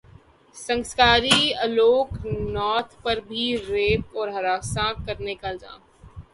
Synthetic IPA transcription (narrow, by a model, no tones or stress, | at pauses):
sɐ̃ŋskaːɾiɐloːknɔːt̪ʰpɐɾbʱiɾeːp̚ɔːɾɦɐɾaːsãkɐɾnekald͡ʒã̰ː